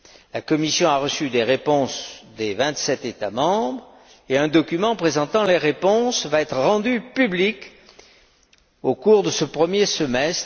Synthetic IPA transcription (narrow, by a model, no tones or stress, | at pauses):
lakɔmisjɔ̃aʁəsyd̪eʁepɔ̃sd̪evɛ̃t̪sɛt̪et̪amɑ̃bʁ | eɛ̃d̪ɔkymɑ̃pχezɑ̃t̪ɑ̃leʁepɔ̃svaɛt̪χəʁɑ̃d̪ypyblik | okuʁd̪əsəpχəmjesəmɛst̪